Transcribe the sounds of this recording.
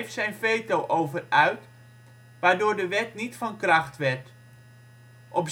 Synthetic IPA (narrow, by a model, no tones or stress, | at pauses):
ftsɛjnfeːtowʔowvərœɥt | ʋaːɹdʊːɹdəʋɛtnitfɔnkrɑxtʋɛrt | ʔɔp